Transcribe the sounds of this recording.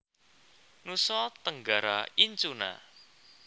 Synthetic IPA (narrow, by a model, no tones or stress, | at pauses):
nusɔt̪əŋɡaɾa̰iɲt͡ʃuna̰